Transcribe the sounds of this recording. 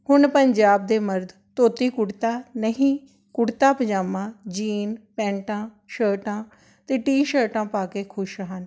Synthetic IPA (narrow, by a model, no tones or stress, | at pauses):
hʊɳpəɲd͡ʒaːb̚d̪eːməɾd̪ | t̪oːt̪iːkʊɽt̪aːnəɦĩː | kʊɽt̪aːpəd͡ʒaːmãːd͡ʒiːnpɛ̃ːɳʈãː | ʃəːɾʈãː | t̪eːʈiːʃəːʈãːpaːkeːkʰʊʃɦən